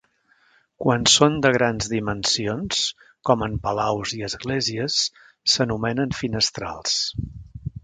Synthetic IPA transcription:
kwansond̪əɣ̞ɾanzðimənsions | kɔməmpəlawziəzɣlɛziəsː | ənumɛnənfinəst̪ɾa̰lˠs

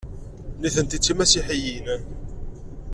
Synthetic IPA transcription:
niθənt̪it͡sːimæsiħijinæ

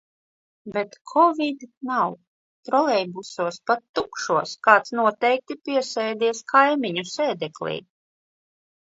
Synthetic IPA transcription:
bɛt̪kʰɔvʲid̪naw | t̪ɾɔlɛjbusuɔspat̪ːukʃuɔskaːt̪snuɔt̪ɛjk̚t̪ipiɛsɛjd̪iɛskʰajmiɲusɛːd̪ɛklʲḭː

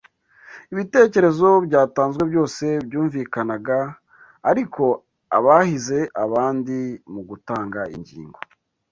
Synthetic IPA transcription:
iβite̞ːce̞ɾe̞zo̞bɟaːtaːnzɡwe̞bɟo̞ːse̞bjuːɱvikanaɡaː | ɾikʰo̞ | a̰βahize̞ʔaβaːndimuɡutaːŋɡaḭɲɟḭːŋɡo

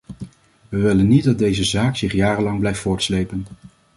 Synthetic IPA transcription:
ʋəʋɪlənːit̚dɑd̚dejzəzaːksɪχjaːrəlɑŋblɛjftfʊːɹtslejpən

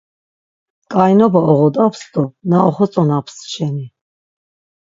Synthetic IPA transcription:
kʼajnɔbaɔʁɔd̪apʰst̪ɔnaɔχɔt͡sʼɔnapʰsʃɛni

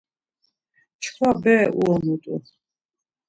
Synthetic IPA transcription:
t͡ʃʰkʰwabɛːuɔmut̪ʼṵ

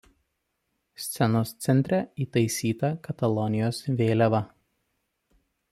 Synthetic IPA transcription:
sʲt̪sʲɛnoːst̪sʲɛnʲt̪ʲɾʲɛiːt̪ɐɪsʲiːt̪ɐkɐt̪ɐlˠɔnʲɪjoːsʋʲeːlʲɛʋɐ

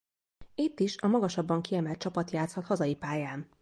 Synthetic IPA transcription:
it̪ːiʃɒmɒɡɒʃɒbːɒŋkiɛmɛlt̪̚t͡ʃɒpɒt̪jaːt̪shɒt̪hɒzɒjipaːjaːn

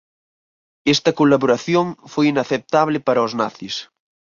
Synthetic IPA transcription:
est̪ɐkolaβoɾaθjoŋfojinaθep̚t̪aβlɪpaɾɐozna̰θis

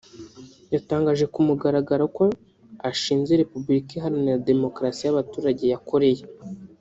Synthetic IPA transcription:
jataːŋɡaːʒe̞kumuɡaɾaɡaɾako̞ | aʃiːnze̞ɾe̞pubuɾikiɦaɾinade̞mo̞kɾasijaβatuːɾaɟe̞jako̞ɾe̞je̞

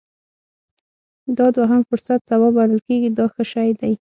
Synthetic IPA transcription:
d̪ɑd̪waɦamfʊɾsat̪sawɑbaləlkeɡid̪ɑxəʃɑjd̪aj

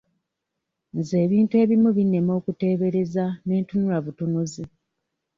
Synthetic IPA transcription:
nze̞ːβiːntue̞ːβimuβinːe̞mo̞ːkute̞ːβe̞ɾe̞zane̞ːntunulaβutunuzi

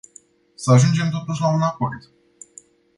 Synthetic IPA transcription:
səaʒund͡ʒe̞mt̪̬o̞t̪uʃʲlaunapo̞rd̪

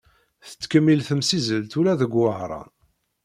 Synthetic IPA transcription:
θə̥t͡sːkəmːilθəmsizəlt̪ulæðəɡʷwəʕɾˤɑ̰n

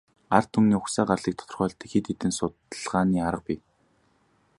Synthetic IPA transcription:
art̪ʰːumniːʊxsaːɢarɮiːkt̪ʰɔ̥t̪ɞ̆rχœːɬt̪iːkxet̪et̪ɘ̆nsʊt̪ɮʁaːniːaɾə̆q̚piː

